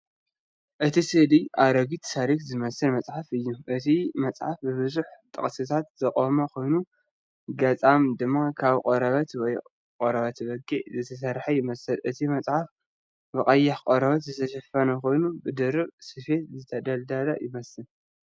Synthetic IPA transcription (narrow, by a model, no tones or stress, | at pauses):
ʔɨt̪ʰisɨhliʔaɾɐɡit̪saɾikzɨmɐsɨlmɐt͡sʼħafɨjːuʔɨt̪ʰimɐt͡sʼħafbɨβɨzuħt̪ʼɨ̰χʼsɨt̪ʰat̪z̥ɐkʼomɐkʰo̞jnu | ɡɐt͡sʼamd̪ɨmːakʰaβkʼoɾɐβɐt̪wɔj | qʼoɾɐβɐt̪βɐɡʼiʕzɨt̪ʰɐs̬ɐɾħajɪmɐsɨlʔɨt̪ʰimɐt͡sʼħaf | bɨχʼɐjːaħkʼoɾɐβɐt̪zɨt̪ʰɐʃɐfɐnɐko̞jnubɨd̪ɨɾɨβsɨfe̞t̪zɨt̪ʰɐd̪ɐld̪alajɪmɐsɨl